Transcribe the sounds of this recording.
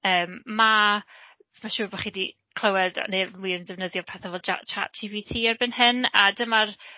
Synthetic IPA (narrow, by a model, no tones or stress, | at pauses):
əːmːa | maʃuːrbɔχiːdi | kʰl̥ˠəwɛda̰newiːrəndɛvnəðjɔpʰɛθavɛlˠa̰t͡ʃʰa̰td͡ʒiːvitʰiːarbɪnhɨnadəmar